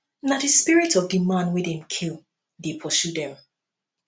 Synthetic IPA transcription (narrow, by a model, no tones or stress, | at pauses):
nat̚dɨspiɹɪtʰɔvdimãnwɪðɪ̃mkʰilˠ | depʰɔsudɛ̃m